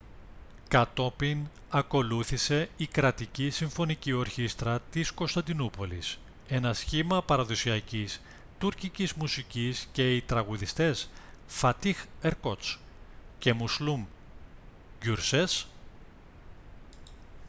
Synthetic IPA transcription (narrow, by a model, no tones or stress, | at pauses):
kɐt̪o̞pin | ɐko̞luθise̞ikɾɐt̪icisiɱfo̞nicio̞ɾçist̪ɾɐt̪isko̞nst̪ɐnd̪inupo̞lḭs | e̞nɐsçimɐpɐɾɐðo̞siɐcis | t̪uɾcicizmusicisce̞it̪ɾɐɣuðist̪e̞sfɐt̪ixeɾkot͡s | ce̞muslum | ɟuɾses